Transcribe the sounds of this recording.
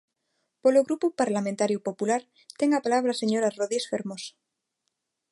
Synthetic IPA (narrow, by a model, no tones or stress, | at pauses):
poloɣɾupupaɾlament̪aɾjupo̞pulaɾ | t̪e̞ŋapalaβ̞ɾase̞ɲoɾaroðesfeɾmosḁ